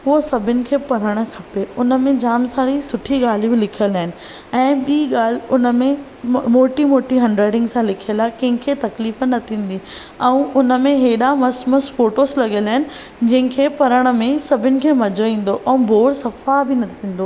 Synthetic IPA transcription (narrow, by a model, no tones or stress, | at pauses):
uosɐbʱɪnɪ̆kʰeːpɐɾəɽ̃̆kʰɐpeʊnə̆mẽd͡ʑaːmsãːɾisʊʈʰiɠaːl̤ibɪlɪkʰijəlaːɦɪnɪ̆ | ɛ̃ːɓiːɠaːl̤ɪʊnə̆mẽ | moːʈimoːʈiɦɐ̃ɳɖɾeːɖɪ̃ŋɡsãlɪkʰiəlaːɪkɐ̃ɦɪ̃kʰet̪ɐkliːfnɐt̪ʰĩːn̆d̪i | ɛ̃ũʊnəmẽɦeːɗamɐsmɐsfoːʈoslɐɠelaːɦɪnɪ̆ | d͡ʑɐ̃ɦɪ̃kʰeːpɐɾəɽ̃ə̆mẽsɐbʱɪnɪ̆kʰeːmɐd͡ʑoĩːn̆d̪oʔɛ̃ũbʱoːɽsɐfabɪnɐt̪ʰĩːn̆d̪o